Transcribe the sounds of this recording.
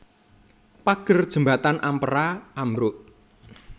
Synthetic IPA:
paɡ̥ərd̥ʒ̥ə̤mbat̪anʔampəɾaamɾʊʔ

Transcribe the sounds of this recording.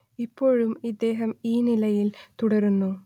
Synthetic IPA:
ipːo̞ːɻumid̪ːe̞ːɦɐmiːnilɐjilt̪uɽɐɾunːu

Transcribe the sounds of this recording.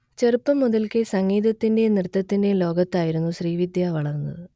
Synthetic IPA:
t͡ɕerupːɐmːuðɐlkesɐŋːiːd̪ɐt̪ːinde̞nrɨt̪ːɐt̪ːinde̞lo̞ːɡɐt̪ːaːjiɾunːuɕriːʋid̪ʱjaːʋɐɭɐrnːɐðɨ

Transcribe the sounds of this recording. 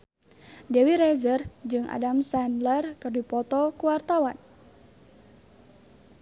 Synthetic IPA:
dɛwiɾɛzərd͡ʒɨŋʔa̰damsɛnlərkɨrdupɔt̪ɔkuwart̪awan

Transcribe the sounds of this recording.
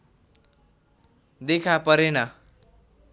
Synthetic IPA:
d̪ekʰapʌɾenʌ

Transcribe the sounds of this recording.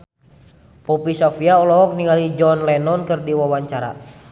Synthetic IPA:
pɔpisɔfiaɔlɔɦɔk̚niŋalid͡ʒɔnlɛnɔnkɨrdiwawaɲt͡ʃaɾa̰

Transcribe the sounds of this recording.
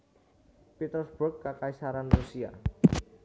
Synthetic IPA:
pit̪ərsb̥ukːakaisaɾanrusia̰

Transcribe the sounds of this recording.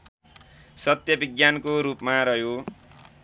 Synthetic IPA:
sʌt̪jʌbiɡjankoɾupmaɾʌɦjo

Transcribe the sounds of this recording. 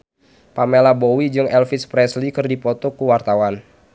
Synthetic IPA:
pamelabowid͡ʒɨŋɛlfispɾɛslikɨrdipɔt̪ɔkuwart̪awan

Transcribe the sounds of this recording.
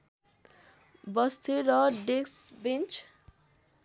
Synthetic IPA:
bʌst̪ʰeɾʌɖeksbent͡ʃ

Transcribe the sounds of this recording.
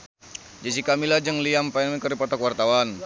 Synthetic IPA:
d͡ʒasikamilad͡ʒəŋliampanməkəɾipat̪akwart̪awan

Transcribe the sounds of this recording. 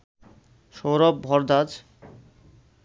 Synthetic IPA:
ʃowɾɔb̚bʱɔɾd̪ad͡ʑ

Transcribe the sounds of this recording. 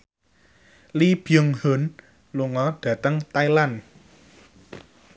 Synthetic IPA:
lib̥jəŋhon | luŋɔɖ̥a̤t̪əŋt̪ajlan

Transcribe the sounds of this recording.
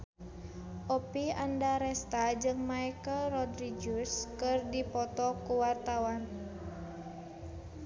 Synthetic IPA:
ʔɔpiandaɾɛst̪ad͡ʒɨŋmaikəlrɔdɾid͡ʒuskɨrdipɔt̪ɔkuwart̪awan

